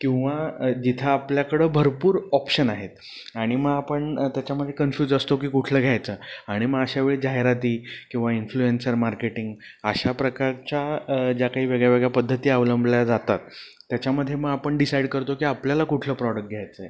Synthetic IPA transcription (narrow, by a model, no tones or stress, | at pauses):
kĩw̃ʋad͡ʑit̪ʰəːpljakəɽəːbʱəɾpuːɾɔpɕənaɦet̪̚ | aɽ̃iməɡapəɳt̪jat͡ɕjaməd̪ʱːjekənfjuːd͡zəst̪okiːkuʈʰləːɡʱjajt͡səːaɽ̃iməɡəɕaʋeɭiːd͡ʑaɦeɾat̪iːkĩw̃ʋainfluensəɾmaɾkeʈiŋɡ | əɕapɾəkaɾt͡ɕad͡ʑjakaɦiːʋeɡɭjaʋeɡɭjapəd̪ʱːət̪iːəʋləmbljad͡zat̪a̰t̪ː | jat͡ɕaməd̪ʱːjeməɡapəɳɖisajɖkəɾt̪okiːapljalakuʈʰləːpɾɔɽək̚ʈ̚ɡʱjajt͡səːe